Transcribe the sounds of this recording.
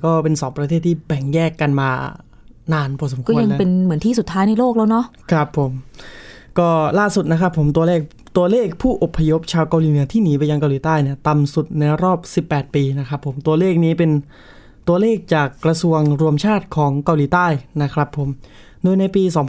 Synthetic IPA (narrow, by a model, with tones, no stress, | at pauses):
kɔː˥˩pe˧nsɔː˩˦ŋpɾa˧eː˥˩t̪ʰːiː˥˩bɛ˨˩ŋjɛː˥˩kːa˧nmaː˧ | naː˧npʰɔː˧˩so˩˦kɔː˥˩˧ja˧ŋ˦pe˧nmɯ˩˦ənt̪ʰiː˥˩su˨˩t̪ʰːaː˦˥jna˧jloː˥˩k̚lɛː˦˥wnɔ˦˥kʰɾa˦˥pʰːo˩˦m | kɔː˥˩laː˥˩su˨˩t̪̚na˦˥kʰɾa˦˥pʰːo˩˦mt̪̬u˧ɐleː˥˩k̚ | t̪u˧ɐleː˥˩k̚pʰuː˥˩ʔo˨˩pʰːa˧jo˦˥p̚t͡ɕʰaː˧wka˧wliː˨˦nɯ˩˦t̪ʰiː˥˩niː˩˦paː˧ja˧ŋka˧wliː˨˩˦t̪aː˥˩jni˥˩t̪a˧msu˨˩t̪̚na˧jɾɔː˥˩p̚si˨˩pːɛː˨˩t̪̚piː˧na˦˥kʰɾa˦˥pʰːo˩˦mt̪u˧ɐleː˥˩k̚niː˦˥pe˧n | t̪u˧ɐleː˥˩k̚t͡ɕaː˨˩kːɾa˧su˧əŋɾu˧əmt͡ɕʰaː˥˩t̪̚kʰɔː˩˦ŋka˧wliː˨˦t̪aː˥˩jna˦˥kʰɾa˦˥pʰːo˩˦m | doː˧jna˧jpiː˧sɔː˩˦ŋ